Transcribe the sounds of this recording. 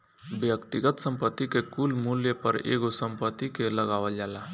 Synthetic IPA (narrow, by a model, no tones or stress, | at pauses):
bjəkt̪ɪɡət̪sə̃mpət̪ːikekuːlmuljəpəɾḛːɡosə̃mpət̪ːikeləɡaːʋəld͡ʒaːla